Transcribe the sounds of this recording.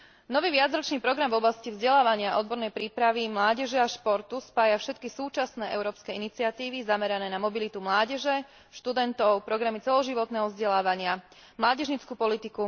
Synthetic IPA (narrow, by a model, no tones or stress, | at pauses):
nɔʋiːʋɪad͡zɾɔt͡ʃniːpɾɔɡɾamvɔblascivzɟɛlaːʋaɲɪaʔɔd̪̚bɔɾnɛjpɾiːpɾaʋimlaːɟɛʒɛaʃpɔɾt̪uspaːjafʃɛt̪̚kisuːt͡ʃasnɛːʔɛ̰ʊɾɔːpskɛinit͡siat̪iːʋizamɛɾanɛːnamɔbilit̪umlaːɟɛʒɛ | ʃt̪ud̪ɛnt̪ɔʊpɾɔɡɾamit͡sɛlɔʒiʋɔt̪nɛːɦɔvzɟɛlaːʋaɲɪa | mlaːɟɛʒɲit͡skuːpɔlit̪iku